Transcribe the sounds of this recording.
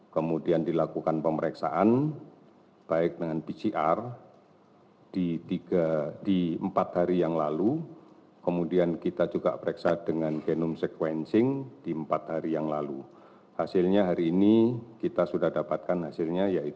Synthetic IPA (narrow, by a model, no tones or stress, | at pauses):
kəmudiandilakukanpəməɾeksaʔan | b̥aɪk̚dəŋanpisiʔar | d̥it̪iɡadiəmpat̪̚haɾijaŋlalu | kəmudiankit̪ad͡ʒuɡa̰ʔpəɾeksadəŋanɡenʊmsɛkwɛnsɪŋd̥iəmpat̪̚haɾijaŋlalu | hasɪlɲaɦaɾiːnikit̪asudahdapat̪̚kanhasɪlɲajai